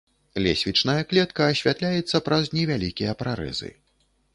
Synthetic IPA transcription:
lʲḛsʲvʲit͡ʂnɐjɐklʲɛt̪kɐːsʲvʲat̪lʲajɛt̪sːɐpɾɐznʲɛvʲalʲikʲijɐpɾaɾɛ̰zɨ̰

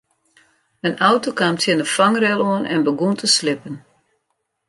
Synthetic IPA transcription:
ənawtokaːmtʰjənəfaŋrɛlˠoənɛnbəɡuntəslɪpən

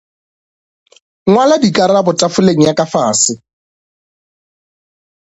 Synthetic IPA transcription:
ŋwaladikʼaɾabʊtʼafʊleŋ̩jakʼafaːsɪ

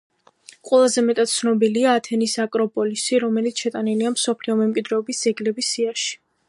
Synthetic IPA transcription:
qʼwɛlˠazɛmɛt̪ʼat̪̚t̪sʰnɔbiliaːt̪ʰɛnisakʼɾɔpʼɔlisiɾɔmɛlit̪sʰʃɛt̪ʼaniliamsɔpʰliɔmɛmkʼwid̪ɾɛːbisd̪z̥ɛɡlɛbisːiaʃi̥

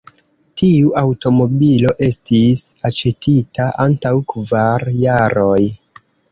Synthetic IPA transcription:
tiuawto̞mo̞bilo̞ʔe̞stisat͡ʃe̞tʰitaʔantawkvaɾjaɾo̞j

